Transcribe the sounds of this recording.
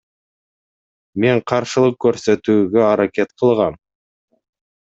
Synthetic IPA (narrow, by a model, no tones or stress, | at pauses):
me̞ɴqʰɑɾʃəlˠəq̚kʰʲːɵɾset̪uɡʲeɑɾakʲe̞t̪qʰəlˠʁɑm